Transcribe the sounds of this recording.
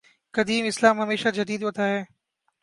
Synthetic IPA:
kɐd̪iːmɪslaːmɦɐmeːʃad͡ʒɐd̪iːd̪ʋɐt̪ʰaːɦeː

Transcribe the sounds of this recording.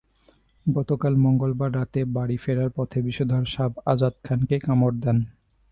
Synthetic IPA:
ɡɔt̪okalmɔŋɡolbaɾːat̪ebaɽifeɽaɾpɔt̪ʰebiʃod̪ʱaɾʃabʱad͡ʑad̪̚kʰankekamoɾd̪ɛn

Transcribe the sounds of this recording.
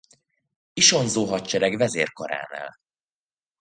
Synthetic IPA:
iʃo̞nzoːɦɒtt͡ʃɛɾɛɡvɛzeːrko̞̰ɾa̰ːna̰ːl

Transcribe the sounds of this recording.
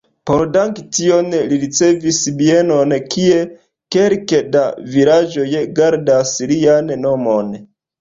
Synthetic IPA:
po̞ɾdaŋktio̞nliɾit͡se̞visbie̞no̞nkʰie̞ | ke̞ɾkedavilad͡ʒo̞jɡaɾdasliannomon

